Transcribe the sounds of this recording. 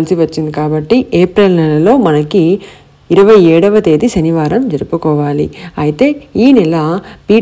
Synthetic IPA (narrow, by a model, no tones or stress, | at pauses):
lisiʋɐt͡ʃːind̪ikaːbɐʈːiʔeːpɾelnɛlɐlo̞ːmɐnɐkːi | iɾɐʋɐjɛːɽɐʋɐt̪e̞ːd̪iʃɐniʋaːɾɐmd͡ʒɐɾupukɔːʋaːlḭɐjit̪e̞ːiːnɛlɐpiː